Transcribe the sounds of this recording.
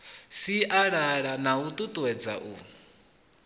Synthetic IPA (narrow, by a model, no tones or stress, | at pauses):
siʔaɺaɺanaut̪ʼut̪ʼuwɛd͡za̰ʔṵ